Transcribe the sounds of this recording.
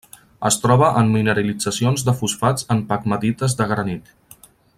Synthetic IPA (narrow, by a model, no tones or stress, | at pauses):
əst̪ɾɔβəʔəmːinəɾəlid͡zəsionzd̪əfusfad͡zəmpakməðit̪əzðəɣɾənit̪